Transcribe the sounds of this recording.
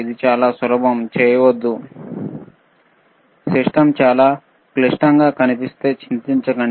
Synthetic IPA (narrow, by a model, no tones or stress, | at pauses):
id̪it͡ʃaːlasɐɾɐbɐmt͡ʃejʋɐd̪ːu | seʂʈɐmt͡ʃaːla | kleʂʈaŋɡakɐnipist̪et͡ʃʰint̪int͡ʃɐkɐɳ